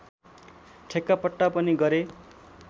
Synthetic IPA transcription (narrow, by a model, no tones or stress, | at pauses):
ʈʰekːapʌʈːapʌniɡʌɾe